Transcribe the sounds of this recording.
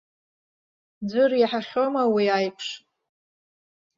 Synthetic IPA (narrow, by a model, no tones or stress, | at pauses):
d͡zʷʊriħaχʲo̞mawiajpʰʂ